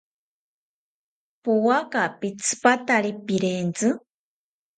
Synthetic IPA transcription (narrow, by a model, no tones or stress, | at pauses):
puwakapit͡sʰɨ̥pat̪aɾipiɾent͡sɨ